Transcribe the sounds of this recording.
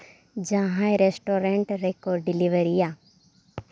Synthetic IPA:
d͡ʒaɦãeɾesʈoːɾẽɳʈɾekoːɾɖɖɪliʋəɾija

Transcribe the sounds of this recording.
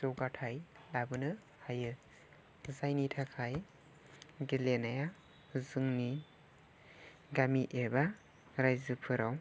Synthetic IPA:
zɔwɡatʰajlabɯnɯ | hajɯ | zajnitʰakʰaj | ɡelenaja | zɯŋni | ɡamiʔeba | ɾajzɯpʰɯɾaw

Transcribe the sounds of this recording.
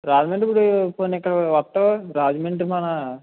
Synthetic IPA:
ɾaːd͡ʒmeɳʈipːuɽupoːnːkːɐɽɐʋɐt̪ːoɾaːd͡ʒimeɳʈmɐnɐ

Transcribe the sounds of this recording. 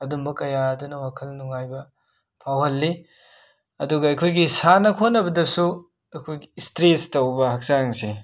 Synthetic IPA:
ɐdumbɐkɐjaɐdunɐwakʰɐlnuŋajbɐ | pʰawhɐlːi | ɐduɡɐɐjkʰojɡisanɐkʰonːɐbɐdɐsu | ɐkʰojɡistɾestɐwbɐhɐk̚zaŋsi

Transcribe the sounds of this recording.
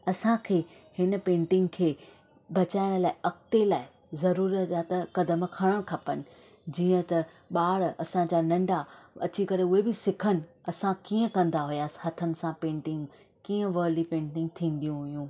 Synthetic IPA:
ɐsãkʰeː | hɪnə̆pẽːɳʈɪ̃ŋɡkʰeː | bɐt͡ɕaːɪɽ̃laːɪʔɐk̚t̪elaːɪ | zɐɾuːɾət̪at̪ɐkɐd̪əmkʰɐɽ̃əɽ̃kʰɐpənɪ̆ | d͡ʑiːə̃t̪ɐ | ɓaːɽɐsãd͡ʑanɐ̃ɳɖaɐ̰t͡ɕikɐɾeʊɦebɪsɪkʰənɪ̆ɐsãkiːə̃kɐ̃nd̪aɦujaːsɦɐt̪ʰənɪ̆sãpẽːɳʈɪ̃ŋɡ | kiːə̃ʋəːlipẽːɳʈɪ̃ŋɡ̚t̪ʰĩːn̆d̪ijũɦʊjũː

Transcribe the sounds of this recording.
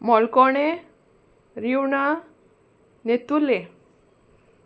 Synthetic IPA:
mɔlkɔɳe | ɾiwɳa | net̪ule

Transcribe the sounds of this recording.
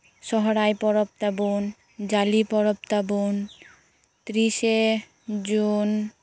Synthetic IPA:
ʃɔɦɾajpɔɾop̚t̪abon | d͡ʑalipɔɾop̚t̪abon | t̪ɾiʃe | d͡ʑun

